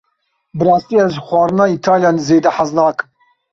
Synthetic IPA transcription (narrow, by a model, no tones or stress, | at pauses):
bɾaːsiazχʷaɾnait̪ʰaljanzeːd̪ɐħazlaːkʼ